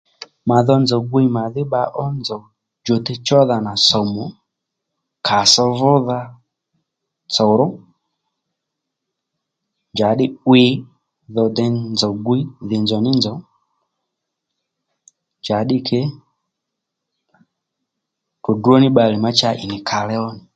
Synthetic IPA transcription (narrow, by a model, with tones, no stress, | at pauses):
ma˨ðɔ˧nd͡zɔ˨ɡʷi˦ma˨ðɪ˦ɓa˧˦ʔɔ˦nd͡zɔ˨ | d͡ʒo˨tɛ˦t͡ʃɔ˦ða˧na˨sɔ˨mɔ˨ | kʰa˨sɔ˧vʊ˦ða˧ | t͡sɔ˨ɾɔ˦ | nd͡ʒa˨ɗɪ˦wɪ˦ | ðɔ˧dɛ˧nd͡zɔ˨ɡwi˦ðɪ˨nzɔ˨nɪ˦nzɔ˨˦ | nd͡ʒa˨˦ɗɪ˦kʰɛ˦ | kɔ˨du˦ɔ˦nɪ˦ɓa˧li˨ma˦t͡ʃa˦˧ʔɪ̰˨nɪ˨kʰa˨lɛ˦ɔ˦nɪ˨